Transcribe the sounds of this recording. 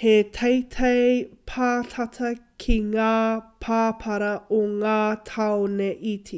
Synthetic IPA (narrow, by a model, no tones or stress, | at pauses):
hetʰejtʰejpʰaːtʰɐtʰɐkʰiŋaːpʰaːpʰɐɾɐoŋaːtʰɐwoneʔitʰi